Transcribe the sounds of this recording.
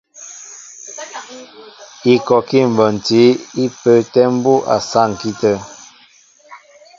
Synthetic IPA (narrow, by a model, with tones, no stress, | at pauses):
i˨kɔ˨ki˦˨m̩˨bə˨n̩˨ti˨˦i˦pə˨˦tɛ˦m̩˦bu˦ʔa̰˨sa˦˨ŋ̩˨ki˦tə˦